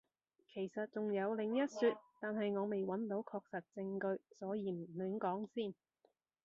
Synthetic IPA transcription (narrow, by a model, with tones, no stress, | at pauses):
kʰe˨˩jsɐ˨t̚t͡sʊ˨ŋjɐ˨˧wlɪ˨ŋjɐ˥t̚syː˧t̚t̪aː˨nɦɐ˨jŋɔː˨˧me˨jwɐ˨˥nt̪o˨˥wkʰɔː˧k̚sɐ˨t̚t͡sɪ˧ŋkɵ˧ɥsɔː˨˥jiː˨˧m̩˨˩myː˨˥ŋkɔː˨˥ŋsiː˥˩n